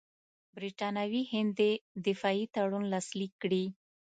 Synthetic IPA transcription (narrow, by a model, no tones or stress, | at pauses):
bɾiʈɑnawihɪnd̪ed̪ɪfɑit̪aɽunlɑslikːɽi